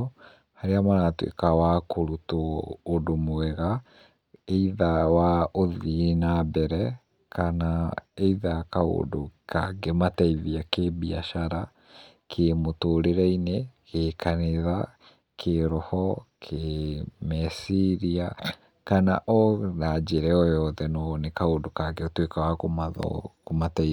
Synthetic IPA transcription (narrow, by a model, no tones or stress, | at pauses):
haɾeamaɾatwḛkawakoɾutoːdomoɛɣa | eiðawaoðinabɛɾɛ | kanaeiðakao̰dokʰaɡemataiðiakebiaʃaɾa | kʰemotoɾeɾɛinekʰeːkʰaneða | kʰeɾɔhɔkʰemɛsiɾia | kana̰ʔɔnad͡ʑeɾɛɔjɔðɛnɔnekaondokaɡeotwekawakomaðɔ̰komatai